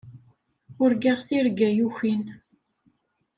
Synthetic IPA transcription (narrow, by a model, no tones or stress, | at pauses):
ʊɾɡiʁθiɾɡæjuçin